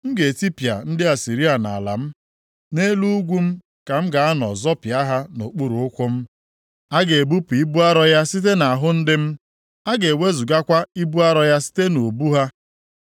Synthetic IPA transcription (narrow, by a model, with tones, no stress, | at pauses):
ŋ̩˦ɡe˨ti˦pi˨a̰˨n̩˦dɪ˦a˨si˨ɾi˦a˨na̰˨la̰˨m̩˦ | ne˦lu˦ɡʷu˦m̩˦ | ka˨m̩˦ɡa˨a˦nɔ̰˨zɔ˦pja˦ɦa˦no˨k͡pu˦ɾu˨ʊ˦kʷʊ˦m̩˦ | a˦ɡe˨e˨bu˦pi˦bu˦a˦ɾɔ˦ja˦si˦t̬e˦na˨a˨ɦʊ˦n̩˦dɪ˦m̩˦ | a˦ɡe˨we˦zu˨ɡa˦kʷa˦i˦bu˦a˦ɾɔ˦ja˦si̥˦te˦no˨bu˦ɦa˦